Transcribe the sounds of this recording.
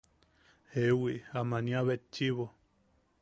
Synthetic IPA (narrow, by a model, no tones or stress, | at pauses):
hewiʔamãnĩãβet͡ʃiβo